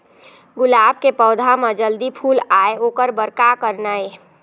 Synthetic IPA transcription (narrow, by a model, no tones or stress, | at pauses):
ɡʊlaːb̚kepɔːd̪ʱamad͡ʒəld̪ipʰuːlaːeoːkəɾbəɾkakəɾnae